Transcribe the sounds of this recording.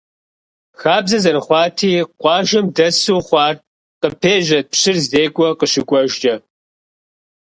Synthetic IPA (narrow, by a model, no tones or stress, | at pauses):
xaːbzɐzɐɾɨχʷɑːtʰiːqʷɑːʒɐmdɐsuːχʷɑːr | qəpʰeːʒɐpɕɪrzdeːkʷʼɔqəʃɪkʷʼɔʒd͡ʒʼɐ